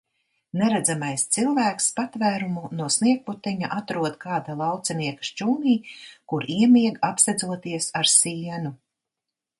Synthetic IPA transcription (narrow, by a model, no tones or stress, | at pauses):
nɛɾæd̪zamajst̪silˠvæːkspat̪væːɾumunuɔsniɛk̚put̪ɛɲaʔat̪ɾuɔd̪kaːd̪alˠɑwt̪sɛniɛkḁʃt͡ʃuːniːkuɾiɛmiɛɡapsɛd̪zuɔt̪iɛsaɾsiːɛnu